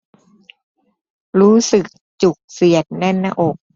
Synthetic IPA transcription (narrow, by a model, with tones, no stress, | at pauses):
ɾuː˦˥sɯ˨˩k̚t͡ɕu˨˩k̚si˨˩ət̪̚nɛ˥˩˨nːa˧ʔo˨˩k̚